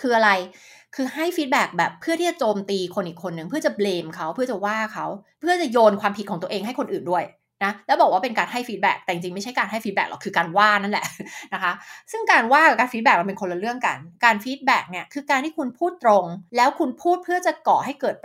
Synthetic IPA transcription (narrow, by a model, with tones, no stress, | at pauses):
kʰɯː˧ʔa˧ɾa˧jkʰɯː˧ha˥˩jfiː˦˥t̪̚bɛː˨˩k̚bɛː˨˩pʰːɯ˥˩t̪ʰiː˥˩t͡ɕa˨˩t͡ɕoː˧mt̪iː˧kʰo˧nʔiː˨˩kʰːo˧nːɯ˨˩ŋpʰɯ˥ɐt͡ɕa˨˩bleː˧mkʰa˦˥wpʰɯ˥˩ɐt͡ɕa˨˩waː˥˩kʰa˦˥wpʰɯ˥˩ɐt͡ɕa˨˩joː˧nkʰwaː˧mpʰi˨˩kʰɔː˩˦ŋt̪u˧əʔeː˧ŋɦa˥˩jkʰo˧nʔɯː˨˩ndu˥˩əj | na˦˥lɛː˦˥wbɔː˨˩k̚waː˥pe˧nkaː˧nɦa˥˩jfi˦˥bɛ̰˨˩k̚t̪ɛ˨˩t͡ɕi˧ŋt͡ɕi˧ŋma˥˩jt͡ɕʰa˦˥jkaː˧nɦa˥˩jfiː˦˥t̚bɛ̰ː˨˩klɔ̰˨˩kʰɯː˧kaː˧nwaː˥˩na˥˩lɛ̰˨˩ʔna˦˥kʰa˦˥sɯ˥˩ŋkaː˧nwaː˥˩a˨˩kaː˧nfi˦˥t̪̚bɛː˨˩k̚a˧npe˧nkʰo˧nla˧ɾɯ˥˩əŋka̰˧nkaː˧nfiː˦˥t̪̚bɛː˨˩k̚ni˥ɐkʰɯː˧kaː˧nt̪ʰiː˥˩kʰu˧npʰuː˥˩t̪ːɾo˧ŋlɛː˦˥wkʰu˧npʰuː˥˩t̪̚pʰɯ˥ɐt͡ɕa˨˩kɔː˨˩ɦa˥˩jkɤː˨˩t̪̚